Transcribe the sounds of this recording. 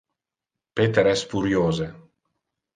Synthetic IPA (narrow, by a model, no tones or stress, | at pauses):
pet̪eɾɛsfuɾjoːze